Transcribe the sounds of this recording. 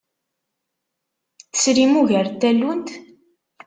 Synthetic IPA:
θə̥sɾimuʝəɾt̪ːælːunt̪

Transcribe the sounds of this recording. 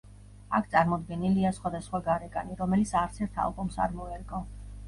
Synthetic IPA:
akʰt̪sʼaɾmɔd̪ɡɛniliasχwad̪asχwaɡaɾɛkʼaniɾɔmɛlit̪sʰaɾt̪sʰɛɾt̪ʰa̰lˠbɔmsa̰ɾmɔɛɾkʼɔ

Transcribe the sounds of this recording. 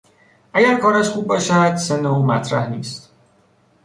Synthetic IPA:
ʔæɟæɾkʰɒːɾæʃxuːbɒːʃæd̪senoumæ̰t̪ʰɾæhniːst̪

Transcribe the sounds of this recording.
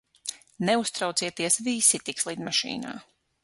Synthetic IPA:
nɛust̪ɾawt̪siɛt̪iɛsviːsit̪ikslˠiːd̪maʃḭːna̰ː

